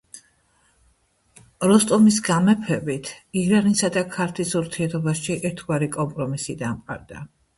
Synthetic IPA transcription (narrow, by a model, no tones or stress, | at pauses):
ɾɔst̪ʼɔmisɡamɛpʰɛbit̪ʰiɾanisad̪akʰaɾt̪ʰisuɾt̪ʰiɛɾt̪ʰɔbasʃʃiʔɛɾt̪ʰɡwaɾikʼɔmpʼɾɔmisid̪amqʼa̰ɾd̪a